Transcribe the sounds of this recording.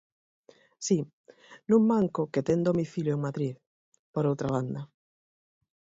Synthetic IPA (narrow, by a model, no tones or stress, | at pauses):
si | nũŋmaŋkʊket̪ɛnd̪omiθiljʊeŋmat̪ɾiθ | poɾowt̪ɾaβ̞and̪ɐ